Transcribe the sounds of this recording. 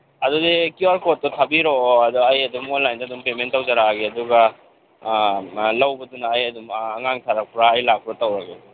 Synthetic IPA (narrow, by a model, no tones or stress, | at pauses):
ɐdɔdikiwaɾkot̚ːɔtʰabiɾoɐdɔajɐdumonlajndadumpementːawzaɾaɡeɐduɡa | lɐwbɐdunaajɐdumːŋaŋtʰaɾak̚pɾaːjlak̚pɾatawɾaɡe